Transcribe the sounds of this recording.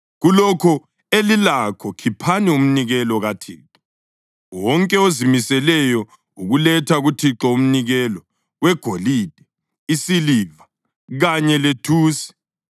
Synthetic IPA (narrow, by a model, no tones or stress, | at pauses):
ɣulɔkʰɔ | elilakʰɔkʰipʰanium̩niɣɛlɔɣatʰḭːǁɔ | wɔŋkʼɛozimisɛlɛjɔ | uɣulɛtʰaɣutʰiǁɔum̩niɣɛlɔ | wɛɡ̥ʱoliːd̥ʱɛ | isiliːva | ɣaɲɛletʰuːsi̥